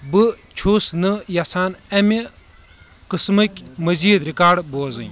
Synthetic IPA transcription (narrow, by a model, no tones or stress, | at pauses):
bɨ | t͡ʃʰusnɨjasʰaːnɐme | qɨsmɨkʲmɐziːd̪ɾikaːɾɖboːzɨ̰n